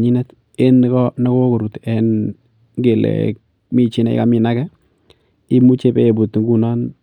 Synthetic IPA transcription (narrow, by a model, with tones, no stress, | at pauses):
ɲi˦nɛ˦t | e˦nː˦kɔ˦nɔ˦ko˦ko˨ɾu˨te˦n | ŋɡe˨lɛ̰˨k | mi˦t͡ʃɪ˦nɛ̰˦ɪ̰˦ka˦mɪ˨na˦kɛ˦ | ɪ˦mu˦t͡ʃe˦pe˦e˨bu˨tŋɡu˦˨nɔ˦n